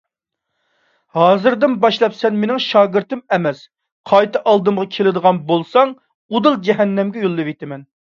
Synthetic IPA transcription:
hɑːzɨɾd̪ɨnbɑʃlˠɑpsɛnmenɪŋʃɑːɡɪɾt̪ɨmɛmɛs | qʰɑjt̪ʰɨʔɑlˠd̪ɨmʁɑkʲʰelɪd̪əʁɑnbolˠsɑŋ | ud̪ɨlˠd͡ʒɛɦɛnːɛmɡʲɛjulˠːɨvet̪ʰɪmɛn

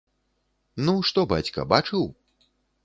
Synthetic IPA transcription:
nuʂt̪ɔbat͡sʲkɐ̰bat͡ʂɨw

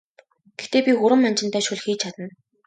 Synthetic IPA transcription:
ɡ̥exʰt̪eːpʲixʊɾə̆mːant͡ɕɪ̆n̥t̪æːʃʊɮxiːt͡ɕʰat̪ə̆n

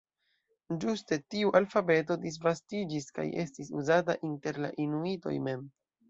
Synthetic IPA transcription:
d͡ʒuste̞tiuʔalfabe̞to̞dis̬vastid͡ʒiska̰je̞stisuzata̰ʔinte̞ɾla̰ʔinuito̞̰jme̞m

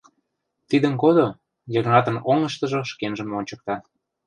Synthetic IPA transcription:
t̪id̪ənkod̪o | jəɾnɑt̪ənoŋəʃt̪ə̆ʒoʃkenʒə̆monʲt͡ɕə̆k̚t̪ɑ

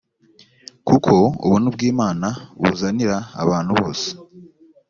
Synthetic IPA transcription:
kukʰo̞ṵβunubɡiːmaːnaβṵzaniɾa̰ːβaːn̥huβo̞̰ːse̥

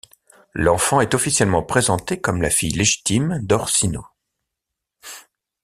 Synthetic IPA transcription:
lɑ̃fɑ̃ɛt̪ɔfisjɛlmɑ̃pχezɑ̃t̪ekɔmla̰fijleʒi̥t̪imd̪ɔʁsino

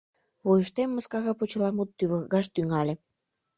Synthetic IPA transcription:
βojəʃt̪emːəskɑɣɑpot͡ɕəlɑmut̪ːyβəɣɣɑʃt̪yŋɑlʲĕ

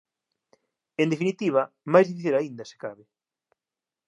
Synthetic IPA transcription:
end̪efinit̪iβ̞ɐ | majzðifiθilaind̪ɐse̥kaβɪ

